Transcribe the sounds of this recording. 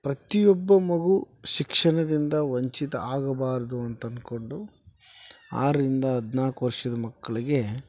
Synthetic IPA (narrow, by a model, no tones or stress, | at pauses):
pɾɐt̪ijɔbːɐmɐɡu | ʃikʂɐɳɐd̪ind̪ɐʋɐɲt͡ʃit̪ɐaːɡɐbaːɾɐd̪uɐnt̪ɐnd̪ko̞ɳɖu | a̰ːɾɐɾind̪ɐɐd̪naːkʋɐɾʂɐd̪ɐmɐkːɐɭiɡe̞